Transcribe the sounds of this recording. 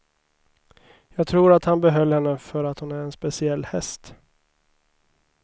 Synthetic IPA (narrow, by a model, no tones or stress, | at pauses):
jɑːɡ̚t̪ʰɾuːɾat̪hanbɛɦœlːhɛnːəfœɾat̪hʊnæɾɛnspɛsɪɛlːhɛst̪